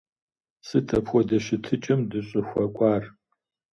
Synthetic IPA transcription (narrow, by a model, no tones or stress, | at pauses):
sɨtʰɐpʰwʷɔdɐʃɪtʰɨt͡ʃʼɪmdɨɕʼɪxʷɐkʷʼaːr